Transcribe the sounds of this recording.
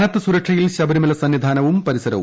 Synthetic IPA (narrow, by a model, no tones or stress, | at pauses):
nɐtt̪ːɨsuɾɐkʂɐjilɕɐbɐɾimɐlɐsɐnːid̪ʱaːnɐʋumpɐɾisɐɾɐ̰ʋṵ